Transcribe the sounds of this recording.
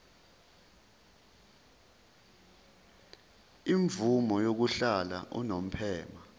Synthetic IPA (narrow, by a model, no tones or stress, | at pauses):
iɱvumɔjok̬uɬala̰ʔṵnom̩pʰɛːma